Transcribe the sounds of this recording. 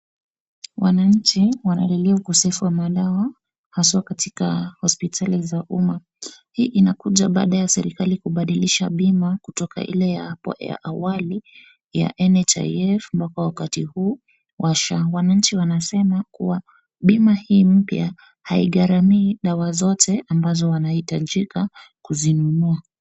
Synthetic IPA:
wʔa̰naɲ̩t͡ʃiwana̰lɛliaukɔsɛfuwamaɗawa | haswakatikahɔspitʰalizaʔuma | hiːʔinakuʄaɓa̰ːɗajasɛ̰ɾikalikuɓaɗiliʃaɓimakutɔka̰ʔḭlɛjaja̰ʔawali | ja̰ʔɛnɛt͡ʃa̰jɛfmbakawakatihuː | wʔaʃawanaɲ̩t͡ʃiwanasɛmakuwa | ɓimahiːm̩pja | haiɠaɾamiːɗawazɔtʰɛʔambazɔwanahitaʄikakuzinunua

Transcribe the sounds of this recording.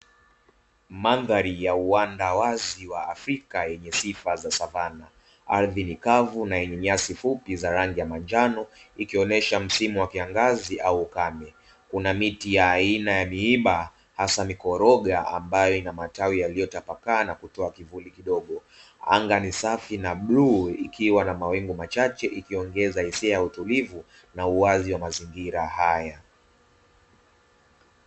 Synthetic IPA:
manðaɾijauandawaziwaːfɾikajɛɲɛsifazasavana | a̰ɾðinikavunajɛɲɛɲasifupizaɾaŋɡijamand͡ʒanɔikiɔnɛʃam̩simuwakiaŋɡaziʔauːkamɛ | kunamitijaːinajamiiɓa | hasamikɔɾɔɠaa̰mbajɔinamatawijalijɔtapakaːnakutɔakivulikiɗɔɠɔ | a̰ŋɡanisafinaɓluikiwanamawɛŋɡumat͡ʃat͡ʃɛʔikiɔŋɡɛzahisiajautulivu | nauaziwamaziŋɡiɾahaja

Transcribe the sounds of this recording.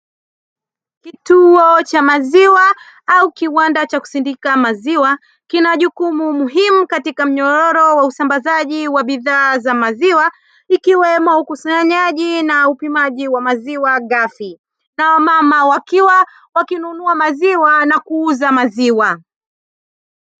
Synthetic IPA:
kituɔt͡ʃamaziwa | aukiwandat͡ʃaku̥sindikamaziwa | kinaʄukumumuɦimukatikam̩ɲɔɾɔɾɔwausambazaʄiwaɓiðaːzamaziwa | ikiwɛmɔukusaaɲaʄinaupimaʄiwamaziwaɠafi | nawamamawakiwa | wakinunuamaziwanakuuzamaziwa

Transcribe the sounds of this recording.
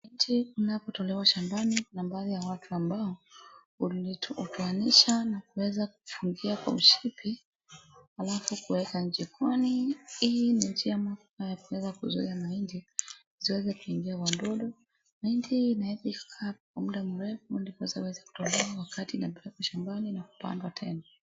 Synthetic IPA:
ind͡ʒiunapɔtɔlɛwaʃambaninambaːðijawatʰuambaɔ | utuaniʃanakuwɛzak̚u̥fuŋɡiakwa̰uʃipi | halafukuwɛkaɲ̩t͡ʃikwaniilnind͡ʒiamakajakuwɛzakuzuiamaindi | ziwɛzɛkuiŋɡiawandɔɗɔ | maindiːnaɛpikḁkʰaːkwamuɗamuɾɛfundipɔwɛzauwɛzaku̥tɔlɛawakatinaɓɛakuʃambaninaku̥pa̰ndwatʰɛna

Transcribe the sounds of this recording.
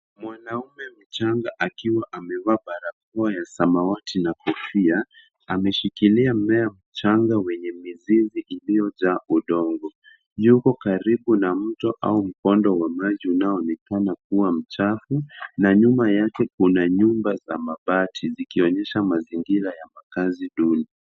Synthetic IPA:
mwanaumɛm̩t͡ʃaŋɡaʔakiwaʔamɛvaɓaɾak̚ɔajasamawatinakɔfia | amɛʃikiliamɛam̩t͡ʃaŋɡawɛɲɛmiziziʔilijɔʄaːuɗɔŋɡɔ | jukɔkaɾiɓunam̩tɔʔa̰um̩kɔndɔwamaʄiunaɔɔnɛkanak̚uwam̩t͡ʃafunaɲumajakɛkunaɲumbazamaɓatʰizikiɔɲɛʃamaziŋɡiɾajamakaziɗuni

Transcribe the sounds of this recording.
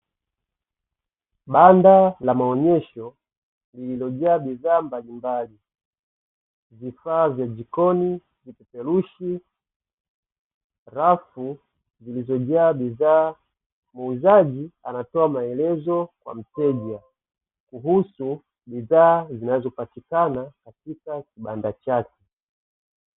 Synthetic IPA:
ɓandalamaɔɲɛʃɔ | lililɔʄaːɓiðaːmbalimbali | vifaːvjad͡ʒikɔni | vipɛpɛluʃi | ɾafu | zilizɔʄaːɓiðaː | muuzaʄia̰natɔamaɛlɛzɔkwa̰m̩tɛʄa | kuɦusu | ɓiðaːzinazɔpatikanakatikakiɓandat͡ʃakɛ

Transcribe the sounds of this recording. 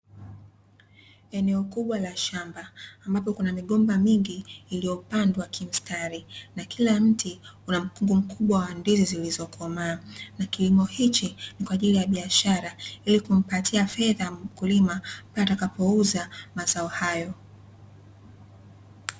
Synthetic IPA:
ɛnɛɔkuɓwalaʃambaːmbapɔkunamiɠɔmbamiŋɡiːlijɔpandwakʰim̩staɾinakʰilam̩tʰiunam̩kuŋɡum̩kuɓwawandizizilizɔkʰɔmaːnakilimɔhit͡ʃinikwaːʄilijaɓiaʃaɾailikum̩patʰiafɛðam̩kulimapiatakapɔuzamazaɔhajɔ

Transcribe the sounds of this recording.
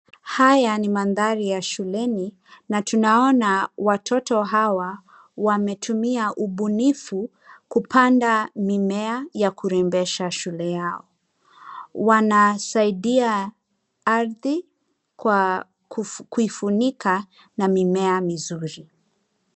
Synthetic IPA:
hajanimanðaɾijaʃulɛni | natunaɔnawatʰɔtɔɦawa | wamɛtʰumiaʔuɓunifu | kupʰandamimɛajakuɾɛmbɛʃaʃulɛjaɔ | wanasaiɗia | aɾði | kwa | kuifunika | namimɛamizuɾi

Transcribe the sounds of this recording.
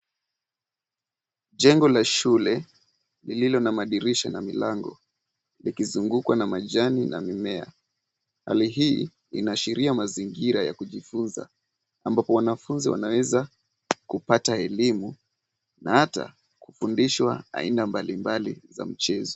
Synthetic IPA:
ʄɛŋɡɔlaʃulɛ | lililɔnamaɗiɾiʃanamilaŋɡɔ̰ | likizuŋɡukwanamaʄanina̰mimɛa̰ | ha̰liɦiː | ḭnaʃiɾiamaziŋɡiɾaja̰kuʄifunza̰ | ambapɔwanafunziwa̰nawɛza | kupataɛlimu | nahata̰ | kufundiʃwaa̰inambalimbaliza̰m̩t͡ʃɛzɔ

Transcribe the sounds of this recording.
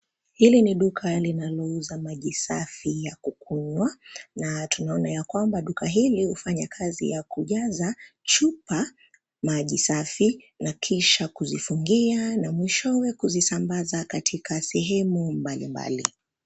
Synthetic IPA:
hiliniɗukʰalinalɔuzamaʄisafijakukʰuɲwanatunaɔnajakwambaɗukaɦilihufaɲakʰazḭjakuʄazat͡ʃupa | maʄisafi | nakʰiʃakuzifuŋɡianamwiʃɔwɛkuzisambazakatʰikʰasɛɦɛmumbalimba̰lḭ

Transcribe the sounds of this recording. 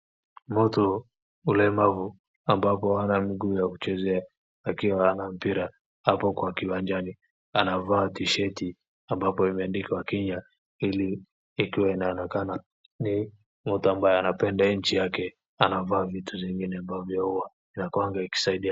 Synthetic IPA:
mɔtɔ | ulɛmavu | ambapɔhanamiɡuːjaku̥t͡ʃɛzɛaː | kiwahanam̩piɾa | hapɔkwakiwand͡ʒani | anavaːtiʃɛti | ambapɔimɛandikawakiɲa | iliː | kiwainaɔnakana | ni | mɔtɔambajɛanapɛndaiɲ̩t͡ʃijakɛ | anavaːvitʰuviŋɡinɛambavjɔhuwa | inakwaŋɡaiki̥saiɗia

